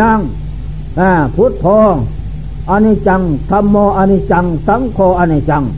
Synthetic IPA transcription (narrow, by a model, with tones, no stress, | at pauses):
a˧ŋ | ã˧˩pʰu˦t̪̚pʰoː˧ | ʔa˧ni˧t͡ɕa˧ŋt̪ʰa˧mːoː˧ʔa˧ni˧t͡ɕa˧ŋsa˨˦mkʰoː˧ʔa˧ni˧t͡ʃa˧˨ŋ